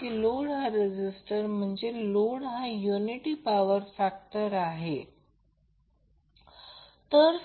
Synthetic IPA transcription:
kiːloɽɦãɾed͡ʑisʈəɾm̤əɳd͡zeloɽɦãjuniʈiːpaʋəɾfakʈəɾaɦe | t̪əɾ

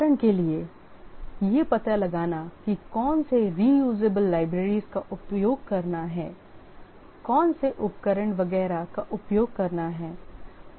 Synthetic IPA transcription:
ɾəɽ̃kelie | jepɐt̪alɐɡaːnakikɔːnseɾiːjuːd͡ʒeːbəlːaːɪbɾeːɾizkaʔʊpjoːɡ̚kɐɾnaɦɛː | kɔːnseʔʊp̚kəɾəɽ̃ʋɐɡɛːɾakaʔʊpjoːɡ̚kɐɾnaɦɛː

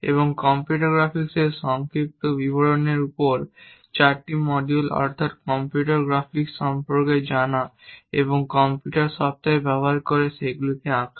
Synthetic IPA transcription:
ḛβoŋkɔmpjuʈoɡɾafikseɾʃɔŋkɾip̚t̪obibʱoɽoneɾupoɾt͡ɕaɾʈimɔɖulɔ̰ɾt̪ʰat̪̚kɔmpjuʈaɾɡɾafiksɔmpoɾked͡ʑanaeboŋkɔmpjuʈaɾʃɔb̚t̪aebɛboɦaɾkoɾeʃeɡulik̪eãkʰ

